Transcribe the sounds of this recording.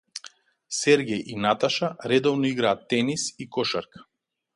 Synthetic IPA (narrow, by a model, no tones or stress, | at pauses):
sɛɾɡʲɛjʔinat̪aʃaɾɛd̪ɔvnɔiɡɾaːt̪ːɛnisikɔʃaɾk